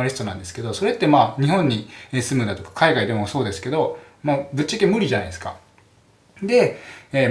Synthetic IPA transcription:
aɾisɨ̥t̪o̞nã̰nd̪e̞sɨ̥ke̞d̪o̞so̞ɾe̞t̪ːe̞maːɲ̟iɦõ̞ɲ̟ːieːsɨmɯ̟d̪at̪o̞kḁkʰaiɡaid̪e̞moso̞ːd̪e̞sɨ̥ke̞d̪o̞ | maːbɯ̟tt͡ɕːakʲemɯ̟ɾʲiʑana̰id̪esɨ̥ka̰ | d̪e̞eː

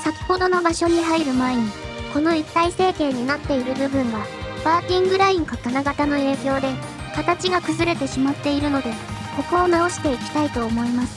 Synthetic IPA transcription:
sakʲi̥ho̞d̪o̞no̞baɕo̞ɲ̟iɦaiɾɯ̟maeɲ̟i | ko̞no̞it̪ːaise̞ːkẽ̞ːɲ̟ːinat̪ːe̞iɾɯ̟bɯ̟bɯ̟̃ɰ̃βabaːkʲĩŋɡɯ̟ɾaĩŋkakanaɡat̪ano̞e̞ːkʲo̞ːd̪e̞ | kat̪at͡ɕiɡakɯ̟zɨɾe̞t̪e̞ɕimat̪ːe̞iɾɯ̟no̞d̪e̞ko̞koːnao̞ɕi̥t̪e̞ikʲi̥t̪ait̪o̞ːmo̞imasɨ̥

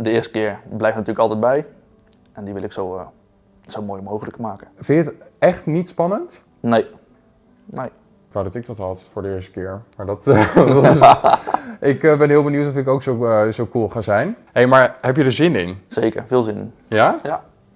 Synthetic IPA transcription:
dəɪːɹstə̥kɪːɹblɛjfnatyːɹləkɑlˠtɛd̚bɛj | ʔɛndiʋɪlɪksow | z̥owmoːjmowχələkmaːkəfɪnjətɛχtnitspɑnənt | nej | ne | kʋadɑtɪk̚dɑtɦɑtfʊːɹdəɪːɹstə̥kɪːɹmaːɹdɑtdts | ɪkəbɛnɦɪːlˠbəniwtɔfɪkowksowzowkulˠχaːzɛjnɦejmaːɹɦɛpjədəzɪnɪnz̥ejkə̰ɹvɪːlˠzɪnɪnja

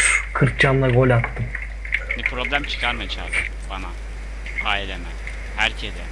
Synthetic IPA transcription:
kʰɯɾk̚d͡ʒanlˠaɡo̞lʲat̪ːɯm | nipʰɾo̞blʲæmt͡ʃʰɯ̥kʰaɾmajat͡ʃʰad̪ɯm | b̥ana | aːelʲemæm | hæɾcʰed̪ɛ

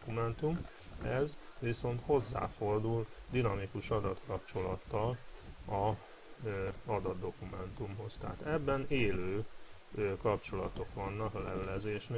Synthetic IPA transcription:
kumɛnt̪um | ɛzʋiso̞nt̪ho̞zːa̰ːfo̞rd̪uld̪inɒmikuʃɒd̪ɒt̪kɒpt͡ʃo̞lɒt̪ːɒlɒ | ɒd̪ɒd̪ːo̞kumɛnt̪umɦo̞st̪a̰ːt̪ɛbːɛneːløː | kɒpt͡ʃo̞lɒt̪o̞kʋɒnːɒklɛvɛlɛzeːʃn

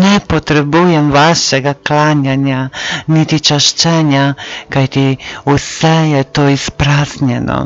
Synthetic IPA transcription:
nɛpot̪ɾɛbuːjɛmʋaːʃɛɡaklaːnjanjanit̪it͡ʃaʃt͡ʃɛnjakajt̪iusɛjɛt̪oːispɾaːznjɛnɔ̰

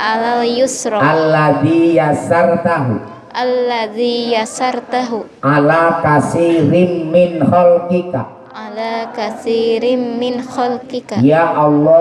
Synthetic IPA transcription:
ʔalajʊsɾɑalːaðijasart̪aɦu | ʔalːaðijasaɾˤt̪aɦuʔalaːkasiɾɪnmɪnxalkɪka | ʔalakaθiɾɪmmɪnxalkɪkajaʔɑlːɔ

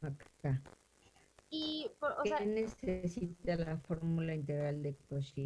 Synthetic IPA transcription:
akka | ipooksnesesit̪alafoɾmulaint̪eɣɾald̪ekosi

